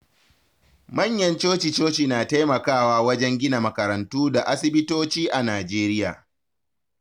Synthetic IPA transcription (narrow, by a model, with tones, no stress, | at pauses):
mɐ˦˨ɲjɐ˦nt͡ʃoː˦t͡ʃi˨t͡ʃoː˦t͡ʃi˨naː˨ta˦jmɐ˨kaː˦˨waː˦wɐ˦d͡ʒɛ˦ŋɡʲɪ˦na˨mɐ˨kɐ˨ɾɐ˨ntuː˦da˨ʔa˦sɪ˦bɪ˦toː˦t͡ʃiː˦ʔa˨naː˨d͡ʒeː˦ɾɪ˦ja̰ː˨